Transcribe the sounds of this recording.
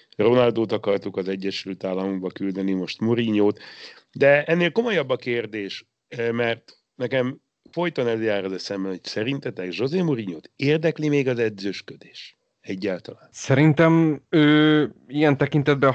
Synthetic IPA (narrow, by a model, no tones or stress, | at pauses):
ro̞nɒld̪oːt̪ɒkɒrt̪ukɒzɛɟːɛʃylt̪aːlːɒmuɡbɒkyld̪ɛnimo̞ʃt̪muɾiɲoːt̪ | d̪ɛɛnːeːlko̞mo̞jɒbːɒkeːrd̪eːʃ | mɛrt̪ | nɛkɛm | fo̞jt̪onɛljaːrozɛsɛmbɛnho̞csɛɾint̪ɛt̪ɛɡʒo̞zeːmuɾiɲoːt̪eːrd̪ɛklimeːɡɒzɛd̪zøʃkø̞d̪e̥ːʃ | ɛɟːaːlt̪ɒlaːnsɛɾint̪ɛmøːiɛnt̪ɛkint̪ɛd̪̚bɛ